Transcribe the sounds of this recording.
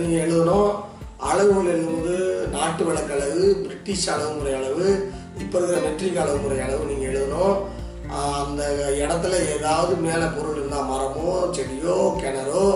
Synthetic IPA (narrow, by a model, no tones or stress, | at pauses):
niːŋɡɐɛɭɯðɐnõ | ɐɭɐʋɯɐlɛɭɯðɯmɐðɯnaːʈːɯʋɛɭɐkːɐɭɐʋɯbɪɾɪʈːɪʂɐɭɐʋɯŋɡɯɾɐjɐːɭɐʋɯ | ɪpːɔɾɐɣɯɾɐʋɛʈrikːɐɭɐʋɯŋɡɯɾɐjɐɭɐʋɯniːŋɡɐɛɻɯðɐnõː | nd̪ɐɛɽɐt̪ːɐlɐeːðaːʋɐðɯmeːlɐpɔɾɯlɪɾɯnd̪ãːmɐɾɐmoːt͡ʃɛɾɪjoːkɛnɐɾoː